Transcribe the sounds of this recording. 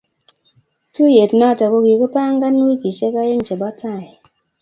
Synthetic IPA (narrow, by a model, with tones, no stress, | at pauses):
tu˦je˨tna˦˨ta˨ko˧ki˨kɨ˦paː˦ŋ̩˦ɡa˦nː˦i˦ki˨ʃe˦ka˦je˦n̩˨t͡ʃe˨ba˦ta˦˨